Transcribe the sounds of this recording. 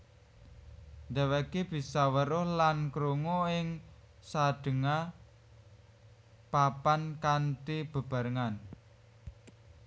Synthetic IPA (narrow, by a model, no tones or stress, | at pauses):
nd̪a̤wekib̥i̤sɔwəɾʊhlankɾuŋoɪŋsaɖ̥ə̤ŋa | papankantib̥ə̤b̥a̤ɾəŋan